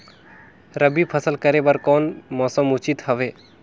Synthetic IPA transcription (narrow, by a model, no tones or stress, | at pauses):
ɾəbipʰəsəlkəɾebəɾkɔnmɔsəmut͡ʃit̪hɔʋe